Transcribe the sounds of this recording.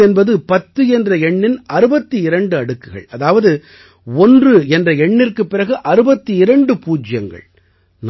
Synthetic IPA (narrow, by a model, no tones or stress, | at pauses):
ɛnbɐðɯpɐt̪ːɯɛndrɐɛɳːɪnɐɾɯbɐt̪ːɯɪɾɐɳɖɯɐɽɯkːɯɣɐ̰ɭɐðaːʋɐðɯ | ɔndrɯɛndrɐɛɳːɪrkɯpːɪrɐɣɯʔɐɾɯbɐt̪ːɯɪɾɐɳɖɯpuːd͡ʒɪjɐŋɡɐ̰ɭ | n